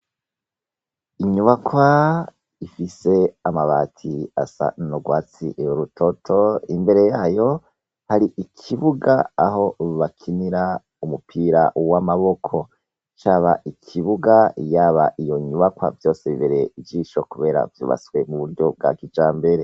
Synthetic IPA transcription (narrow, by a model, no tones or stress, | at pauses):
iɲuβakwa | ifise̞amaβaːtʰia̰sa̰noɡwaːt͡sḭɾutʰotʰo̞imbe̞ɾe̞jaːjo̞ | haɾiʔikʰiβuɡaːɦo̞βakʰiniɾa | umupʰiːɾa̰wamaβo̞kʰo̞ | t͡ʃaːβaʔikʰiβuɡajaːβa̰ʔijo̞ɲuβakwa̰vjo̞ːseβiβeɾeivɟiːʃo̞kuβe̞ːɾa̰vjṵːβa̰swe̞muβuɾɟo̞b̚ɡa̰kid͡ʒaːmbe̞ɾe̞